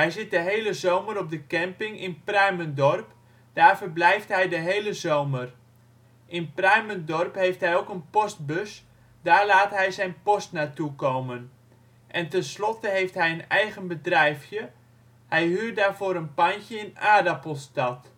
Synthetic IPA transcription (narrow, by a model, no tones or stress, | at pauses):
ɦɛjzɪt̚dəɦejləzowməɾɔp̚dəkɛmpɪŋɪnprœɥməndɔrp | d̥aːrvərblɛjftɦɛjdəɦejləzowmər | ʔɪnpraɥməndɔrpɦejftɦɛjowkənpɔst̚bøs | daːrlaːtɦɛjzɛjnpɔstnaːtukowmən | ʔɛntɛnslɔtəɦejftɦɛjənɛjɣənbədrɛjfjə | hɛjɦyːrdaːɹvoːɾənpancəɪnaːdapolˠstɑt